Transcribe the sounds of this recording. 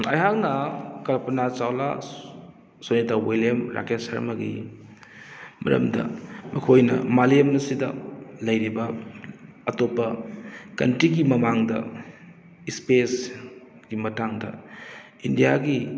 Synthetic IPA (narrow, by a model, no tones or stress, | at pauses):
ɐ̰jɦak̚nɐkɐlpɐnat͡ʃawla̰ | sonitawelemɾʔa̰kesɐ̰ɾmɐɡḭ | mɐ̰ɾɐ̰mdɐ̰mɐkʰojnɐ̰malemɐsidɐ̰lɐjɾibɐː | topːɐkɐ̰ntɾiɡimɐmaŋdɐ̰ | ispes | ɡimɐtaŋdɐ̰ | indijaɡi